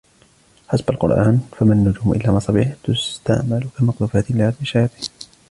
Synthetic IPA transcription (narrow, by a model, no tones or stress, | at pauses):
ħasbalqʊ̰ɾˤʔaːnfamanːʊd͡ʒuːmʔɪ̰lːaːmɑsˤɑbiħt̪ʊst̪a̰ʕmalʊkamɑqd̪uːfaːt̪ɪlɪʕadbɪʃajɑːt̪ˤiːn